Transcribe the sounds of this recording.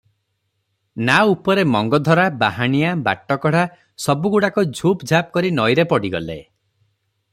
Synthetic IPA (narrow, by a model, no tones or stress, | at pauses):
naupɔɾemɔŋɡɔd̪ʱɔɾabaɦaɽ̃ijaba̰ʈːɔkɔɽ̤a | sɔbuɡuɽakud͡ʒʱupd͡ʒʱap̚kɔɾinɔjɾepɔɽiɡɔ̰lḛ